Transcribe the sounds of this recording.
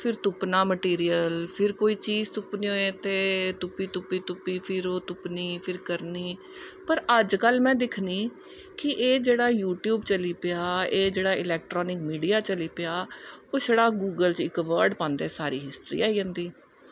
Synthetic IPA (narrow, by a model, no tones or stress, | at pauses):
pʰɪɾt̪ʊpnaːməʈiːɾijəlpʰɪɾkoːiːt͡ʃiːzt̪ʊpnõːeːt̪eːt̪ʊpːiːt̪ʊpːiːt̪ʊpːiːpʰɪɾoːt̪ʊpniːpʰɪɾkəɾniː | pəɾəd͡ʒkəlmɛ̃ːd̪ɪkʰniː | kɪʔeːd͡ʒeːɽaːjuːʈjuːbt͡ʃəliːpɪaːeːd͡ʒeːɽaːɪlɛːk̚ʈɾɔːnɪkmiːɖiːaːt͡ʃəliːpɪjaːoːsəɽaːɡuːɡəlt͡ʃɪkʋəɾɖpãːnd̪ɛːsaːɾḭːɦɪst̪ɾḭːaːiːd͡ʒə̃ːnd̪iː